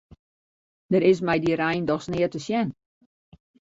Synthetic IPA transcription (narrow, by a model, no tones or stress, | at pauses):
dəɾɪs̬mɛjdiɾɛjndɔxsnɪətəsjɛn